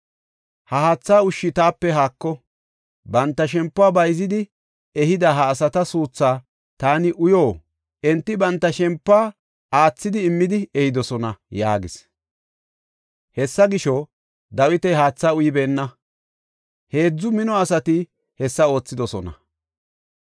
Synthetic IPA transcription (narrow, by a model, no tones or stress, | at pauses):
hɐhaːt͡sːaːʊʃːɪt̪aːpːɛɦaːkːɔ | bɐnt̪ːɐʃɛmpːʊaːbɐjzɪd̪ɪ | ɛhɪd̪ɐɦɐːsɐt̪ɐsuːt͡sːaː | t̪aːnɪʔʊjoː | ʔɛnt̪ːɪbɐnt̪ːɐʃɛmpːaː | aːt͡sːɪd̪ɪːmːɪd̪ɪɛhɪd̪ɔsɔnɐja̰ːɡɪs | hɛsːɐɡɪʃɔ | d̪ɐwɪt̪ɛɦaːt͡sːaːʊjɪbeːnːɐ | he̞ːd͡zːʊmɪnɔɐsɐt̪ɪ | hɛsːɐo̞ːt͡sːɪd̪ɔsɔnɐ̰